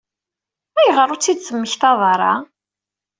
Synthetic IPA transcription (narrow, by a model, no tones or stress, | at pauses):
æjəʁəɾˤʊt͡sːid̪θəmːəçθɑðˤɑɾˤɑ̰